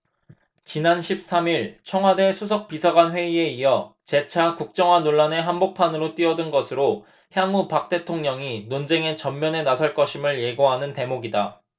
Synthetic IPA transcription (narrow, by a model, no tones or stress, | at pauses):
t͡ɕinanɕʰip̚s͈ʰamiɭt͡ɕʰʌŋɦwadesʰus̬ʰʌk̚pisʰaɡwanɸwe̞ie̞iʌt͡ɕe̞t͡ɕʰakuk̚t͡ɕ͈ʌŋɦwanoɭːane̞ɦanbok̚pʰanɯɾot͈ɥiʌdɯnɡʌsʰɯɾo | çjaŋupak̚t͈e̞tʰoŋɲʌŋinond͡ʑe̞ŋe̞t͡ɕʌmːjʌne̞nasʰʌɭk͈ʌɕʰimɯɭje̞ɡoɦanɯnte̞moɡida